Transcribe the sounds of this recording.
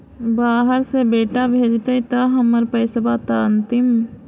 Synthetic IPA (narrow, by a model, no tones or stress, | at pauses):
baːɦəɾsebeːʈabʱeːd͡ʒt̪ɐit̪ɐɦəməɾpəɪsbat̪aənt̪ɪm